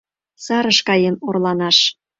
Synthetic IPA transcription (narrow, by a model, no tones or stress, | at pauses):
sɑɾəʃkɑjemorlɑnɑʃ